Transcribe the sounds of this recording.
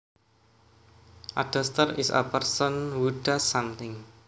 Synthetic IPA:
ʔa̰d̥əst̪ərɪsə̰pərsɔnwudasamt̪ɪŋ

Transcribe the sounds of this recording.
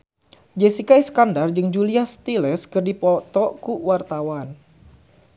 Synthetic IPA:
d͡ʒɛsikaiskandard͡ʒɨŋd͡ʒuliast̪ilɛskɨrdipɔt̪ɔkuwart̪awan

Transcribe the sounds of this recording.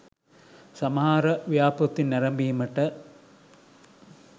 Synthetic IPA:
sɐmɦaːɾɐʋjaːpɐt̪ːinːɐɾɐmbijɐmɐʈːɐ

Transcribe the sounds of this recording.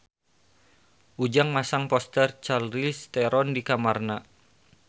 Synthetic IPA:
ʔud͡ʒaŋmasaŋpɔst̪ɛrt͡ʃalɾist̪ɛɾɔndikamarna

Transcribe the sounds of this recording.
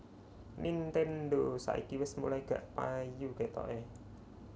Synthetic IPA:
nʔint̪ɛnd̪osa̰ʔḭkiwɛsmṵlaiɡ̥ä̤ʔpajuket̪ɔ̰ʔe

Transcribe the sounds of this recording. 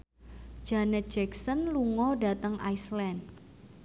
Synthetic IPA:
d͡ʒ̥anɛt̪̚d͡ʒɛksənluŋɔda̤t̪əŋʔa̰islɛnd

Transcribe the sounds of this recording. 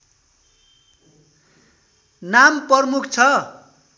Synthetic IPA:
namprʌrmukʰt͡sʰʌ

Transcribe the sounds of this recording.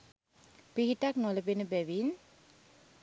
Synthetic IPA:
piɦitaknɔlepenbɛʋin

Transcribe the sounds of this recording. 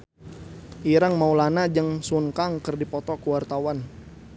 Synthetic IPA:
ʔiɾaŋmaulanad͡ʒəŋsunkaŋkərdipɔt̪ɔkuwart̪awan

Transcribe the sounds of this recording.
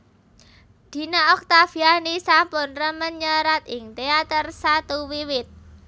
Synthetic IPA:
d̪̥i̤naʔɔk̚t̪afianisampʊnrəmənɲəɾat̪̚ɪŋt̪eat̪ərsat̪uwiwɪt̪̚

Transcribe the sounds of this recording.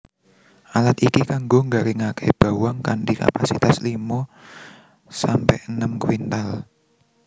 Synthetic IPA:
ʔalat̪ikikaŋɡoŋɡaɾiŋakʰɛ̰jb̥a̤waŋkaɳʈika̰pasit̪aslimo | sampɛhənəmkwint̪al

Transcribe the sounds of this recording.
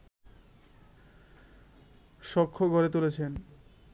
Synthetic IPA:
ʃɔkʰːoɡʱɔɾet̪ulet͡ɕʰen

